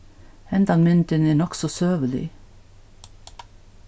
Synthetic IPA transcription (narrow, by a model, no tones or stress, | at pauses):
ɛnd̪ɑŋmʏnt̪əneːnɔksɔsøːʋəlɪ̰